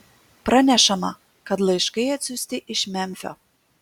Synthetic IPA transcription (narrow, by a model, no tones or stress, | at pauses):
pɾɐnʲɛʃɐmɐ̰ | kɐt̪lˠɐjʃkɐjɐt̪ʲsʲusʲt̪ʲɪʔɪʃmʲɛmʲfʲɔ̰